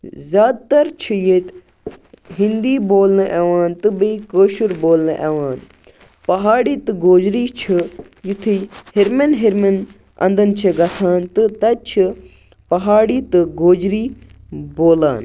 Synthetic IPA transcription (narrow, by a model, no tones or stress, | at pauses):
zʲaːd̪̚t̪ɐɾt͡ʃʰɨjeːt̪ | ɦind̪iːboːlnɨʔeʋaːnt̪ɨbiikoːʃuɾboːlnɨʔeʋaːn | pɐɦaːɽiːt̪ɨɡoːd͡ʒɾiːt͡ʃʰɨ | jut̪ʰihiɾmɐnɦiɾmɐn | ɐ̰̃nd̪ɐnt͡ʃʰɐɡɐt̪ʰaːnt̪ɨt̪ɐt͡ʃʰɨ | pɐɦaːɽiːt̪ɨɡoːd͡ʒɾiː | boːla̰ːn